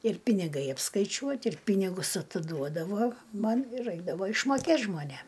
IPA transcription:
ɪr pʲɪnʲɪˈɡɐɪ ɐpskɐɪˈt͡ʃʲuɔtʲ ɪr ˈpʲiːnʲɪɡʊs ɐtʲɪˈduɔdɐʋoː ˈmɐn ɪr ˈrɐɪɡdɐʋoː ɪʃmoːˈkʲeːt ʒmoːˈnʲeːm

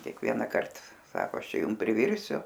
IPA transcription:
kʲeːkˈʋʲiɛnɐkɐrt ˈsɑːkoː ˈɐʃ ˈt͡ʃʲɛ ˈjʊm pʲrʲɪˈʋʲɪrʲsʲʊ

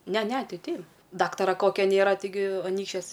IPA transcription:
ˈnʲɛ ˈnʲɛ ˈtɐɪ ˈtʲɛɪ ˈdɑːktɐrɐ ˈkoːkʲɛ ˈnʲeːrɐ tʲɪˈɡʲɪ ˈɑːnʲiːkʃʲt͡ʃʲuɔs

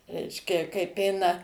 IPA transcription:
ˈrʲɛɪʃʲkʲɛ kɐɪp ˈɛɪnɐ

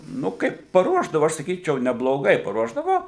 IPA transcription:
ˈnʊ ˈkɐɪp pɐˈruɔʒdɐʋʊ ˈɐʃ sɐˈkʲiːt͡ʃʲɛʊ nʲɛblˠoːˈɡɐɪ pɐˈruɔʒdɐʋoː

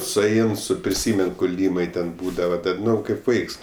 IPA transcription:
sʊˈɛɪn ˈsʊ pʲrʲɪˈsʲiːmʲɛn kʊˈlʲiːmɐɪ tʲɛn ˈbuːdɐʋɐ ˈdɐr ˈnʊ ˈkɐɪp ˈʋɐɪks

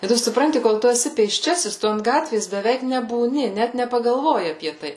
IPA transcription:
ɪ ˈtʊ sʊˈprɐnʲtʲɪ koːlˠ ˈtʊ ɛˈsʲɪ pʲeːsʲˈt͡ʃʲæːsʲɪs ˈtʊ ɐnt ˈɡɑːtʲʋʲeːs bʲɛˈʋʲɛɪk nʲɛbuːˈnʲɪ ˈnʲɛt nʲɛpɐɡɐlˠˈʋoːjɪ ɐpʲiɛ ˈtɐɪ

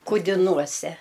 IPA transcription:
kʊdʲɪˈnuɔsʲɛ

